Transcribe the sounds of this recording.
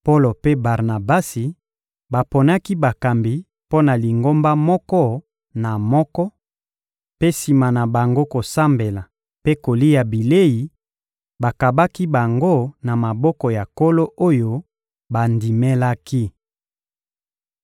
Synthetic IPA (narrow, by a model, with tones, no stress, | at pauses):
po˦lo˨pe˦ba˨ʁna˨ba˦si˨ | ba˨po˨na˦ki˦ba˨ka˨mbi˨ | po˦na˨li˨ŋɡo˦mba˦mɔ˦kɔ˦ | na˨mɔ˦kɔ˦ | pe˦si˨ma˨na˨ba˨ŋɡo˦ko˨sa˦mbe˨la˨ | pe˦ko˨li˦ja˨bi˨le˦ji˨ | ba˨ka˨ba˦ki˦ba˨ŋɡo˦na˨ma˨bɔ˦kɔ˨ja˨ko˦lo˦ʔo˦jo˦ | ba˨ndi˨me˦la˦ki˦